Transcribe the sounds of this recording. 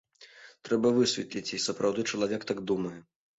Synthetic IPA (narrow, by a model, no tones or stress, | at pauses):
t̪ɾɛbɐvɨsʲvʲɛt̪lʲit͡sʲisɐpɾawd̪ɨt͡ʂɐlˠavʲɛkt̪aɡ̚d̪umɐjɛ